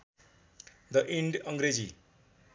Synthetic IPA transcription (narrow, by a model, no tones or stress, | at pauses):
d̪ʌʔĩɳɖʌŋɡɾed͡zḭ